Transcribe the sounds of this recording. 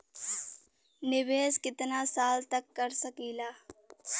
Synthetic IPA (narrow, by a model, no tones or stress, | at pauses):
nɪʋeːskɪt̪nasaːlt̪ɐkːɐɾsɐkiːlaː